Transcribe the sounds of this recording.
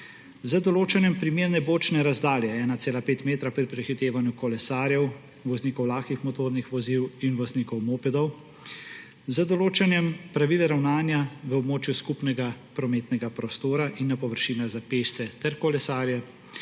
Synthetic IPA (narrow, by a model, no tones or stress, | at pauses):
zəd̪ɔloːt͡ʃɛnjɛmpɾimeːɾnɛboːt͡ʃnɛɾazd̪aːljɛɛːnat̪seːlapeːt̪meːt̪ɾapɾipɾɛxit̪eːʋanjukɔlɛsaːɾjɛw | ʋɔzniːkɔwlaːxkixmɔt̪oːɾnixʋɔziwinʋɔzniːkɔwmoːpɛd̪ɔw | zəd̪ɔloːt͡ʃɛnjɛmpɾaʋiːlɛɾawnaːnjaʋəɔbmoːt͡ʃjuskupnɛɡapɾɔmeːt̪nɛɡapɾɔst̪oːɾaʔinːapɔʋəɾʃiːnaɣzapeːʃt̪sɛt̪ɛɾkɔlɛsaːɾjɛ